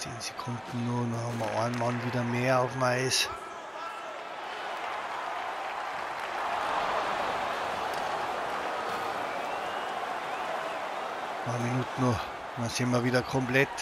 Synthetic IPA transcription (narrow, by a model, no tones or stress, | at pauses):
t͡sḛːnse̥kʰʊnd̪n̩nunɔhɑmɐɔ̰nmɑnʋiːdɐmeːɐaʊfm̩aɪs | mɑːminuːt̪n̩o | dɑnsɪnmɐʋiːdɐkʰɔmplɛt̪